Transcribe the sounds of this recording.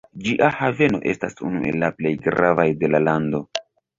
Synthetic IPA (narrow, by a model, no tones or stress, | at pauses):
d͡ʒiʔahave̞no̞̰ʔe̞stasṵnuʔe̞̰lːaple̞jɡɾavajde̞lalando̞